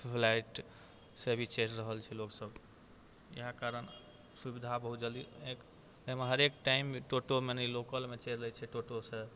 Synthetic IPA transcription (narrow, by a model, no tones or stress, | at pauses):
pʰlaiʈ | sebʱit͡ʃeɾɾəɦəlt͡ʃʰɛloksəb | jḭɦakaɾən | subid̪ʱabəɦud͡ʒaliek | əɦimeɦəɾekʈaimʈoʈomenelokəlmet͡ʃed͡ʒlət͡ʃʰɛʈoʈose